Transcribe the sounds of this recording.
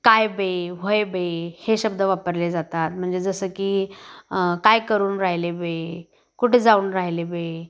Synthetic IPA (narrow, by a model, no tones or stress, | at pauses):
kajbeʋojebeheɕəbd̪ʱəʋapəɾled͡zat̪at̪̚m̤əɳd͡zed͡zəsəːkiː | kajkəɾuːnɾaɦilebe | kuʈʰed͡zauːnɾaɦilebe